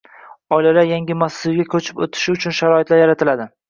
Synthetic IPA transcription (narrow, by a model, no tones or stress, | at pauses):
ɒjlalajaŋɡʲɪmasːɪɾɡʲakʲʰɵt͡ʃʰɪ̥po̰t̪ʰɪ̥ʃɪʊt͡ʃʰʊnʃaɾɒɪt̪laɾjaɾat̪ʰɪlad̪ɪ